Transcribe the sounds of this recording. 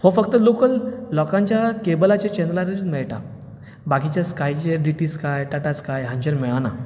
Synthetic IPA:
hofəkt̪əlokəlːɔkãɲt͡ɕjakebəlat͡ɕet͡ɕɛ̃nd̪laɾed͡ʑuːnmɛɭʈa̰ | bakit͡ɕjaskajt͡ɕeɖiʈiskajʈaʈaskajɦãɲd͡ʑəɾmɛɭana̰

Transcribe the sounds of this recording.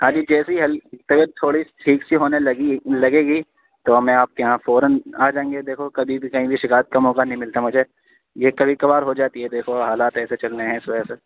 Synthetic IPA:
ɦãːd͡ʒid͡ʒɛːsiiɦɐlt̪ɐbəɾt̪ʰoːɽiʈʰiːksiɦoːnelɐɡilɐɡeːɡi | t̪omɛ̃aːp̚kejɦãfoːɾənaːd͡ʒãːŋɡed̪eːkʰokɐbʱibikɐɦĩbʱiʃɪkaːət̪̚kɐmɔːkanɐɦĩmɪlt̪amʊd͡ʒʱe | jekɐbʱikɐbaːɾɦod͡ʒaːt̪iɦɛd̪eːkʰoɦaːlaːt̪ɛːset͡ʃɐlneɦɛ̃ɪsʋɐɛse

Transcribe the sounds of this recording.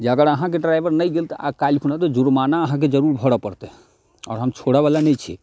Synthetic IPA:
d͡ʒəɡəɾəɦãk̬eɖɾajbəɾnəjɡelt̪ʔa̰kalpʰunat̪ɔd͡ʒuɾmanaəɦãk̬ed͡ʒəɾuɾbʱɔɽapəɾt̪ẽ | ɔ̰ːɾɦəmt͡ʃʰoɽabalanɛjt͡ʃʰi

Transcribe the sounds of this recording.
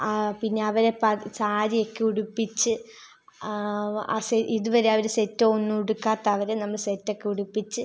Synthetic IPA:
pinːe̞ɐʋɐɾepːɐsaːɾiokːeuɽupːit͡ɕːɨ | a̰seiðuʋɐɾe̞ɐʋɐɾusetːoonːuuɽukːaːt̪ːɐɐʋɐɾenɐmːɐɭsetːo̞kːeuɽupːit͡ɕːɨ

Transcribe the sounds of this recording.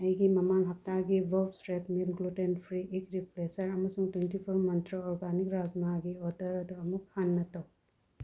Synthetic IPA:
ɐjɡimɐmanɦɐp̚taɡibɔpsɾetmilɡlutenpʰɾiʔikɾiplesɐɾɐmɐsuŋtwentipʰuɾmɐntɾoɔɾɡanikɾad͡ʒmaɡiɔɾdɐɾɐduɐmuk̚hanːɐto

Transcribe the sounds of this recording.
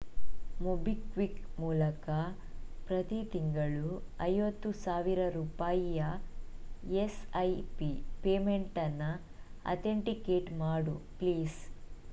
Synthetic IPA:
mobikʋikmuːlɐkɐ | pɾɐt̪it̪iŋɡɐɭuɐjʋɐt̪ːusaːʋiɾɐɾuːpaːjijɐ | esɐjpipeːme̞ɳʈɐnːɐ | ɐ̰t̪ʰeɳʈikeːʈmaːɽupliːs

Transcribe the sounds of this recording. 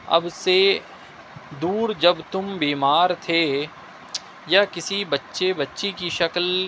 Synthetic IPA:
ɐ̰bse | d̪uːɾd͡ʒɐbt̪ʊmbiːmaːɾt̪ʰe | jaːkɪsibɐtːʃebɐtːʃekiʃɐkl

